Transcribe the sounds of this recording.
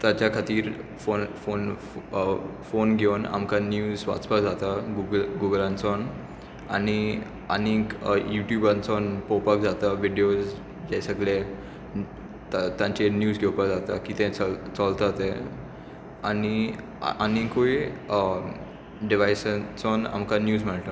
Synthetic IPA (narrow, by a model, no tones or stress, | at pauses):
t̪at͡ɕjakʰat̪iːɾfonfon | fonɡʱewna̰mkanjuːzʋa̰t͡spad͡zat̪aɡuɡəlɡuɡəlant͡sɔn | a̰ni | a̰nikjuʈjubant͡sɔnpɔpak̚d͡zat̪aʋiɖeos | d͡ʑɛsəɡle | t̪ãɲt͡ɕenjuːd͡zɡʱewpad͡zat̪akiːt̪ɛ̃t͡st͡sɔlt̪at̪ẽ | ani | anikoi | ɖiʋajsat͡sɔna̰mkanjuːd͡zm̤əɽʈ̪a